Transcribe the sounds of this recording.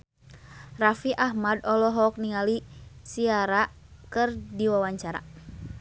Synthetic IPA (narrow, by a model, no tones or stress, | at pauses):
rafiʔaɦmadɔlɔɦɔk̚niŋalisiaɾa | kɨrdiwawaɲt͡ʃaɾa̰